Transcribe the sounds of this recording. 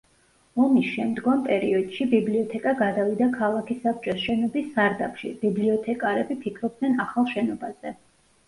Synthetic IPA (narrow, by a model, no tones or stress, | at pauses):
ɔmisʃɛmd̪ɡɔmpʼɛɾiɔd̪̥ʃibibliɔt̪ʰɛkʼaɡad̪avid̪akʰalˠakʰisap̚t͡ʃʼɔsʃɛnɔbisːaɾd̪apʰʃḭbibliɔt̪ʰɛkʼaɾɛbipʰikʰɾɔb̚d̪nɛnaχalˠʃɛnɔbaz̥ɛ